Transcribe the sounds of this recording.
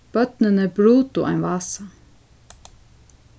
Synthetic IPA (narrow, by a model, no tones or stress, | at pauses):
b̥œt̪nənəbɾuːt̪ʊʔa̰ɪnʋɑːsa